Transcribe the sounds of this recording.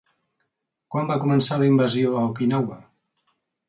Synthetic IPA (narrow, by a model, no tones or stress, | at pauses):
kwambakumənsaləimbəzioəwkinawə